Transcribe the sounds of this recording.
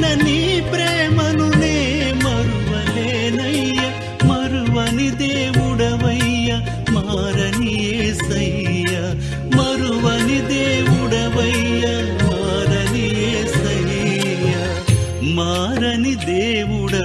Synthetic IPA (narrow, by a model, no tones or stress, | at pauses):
nɐnipɾɛːmɐnuneːmɐɾuʋɐleːnɐjjɐ | mɐɾuʋɐnid̪eːʋuɽɐʋɐjjɐ | maɾɐnijeːsɐjjɐ | mɐɾuʋɐnid̪eːʋuɽɐʋɐjjɐ | maːɾɐnijeːsɐjɐ | jɐ | maː | ɾɐnid̪eːʋuɽɐ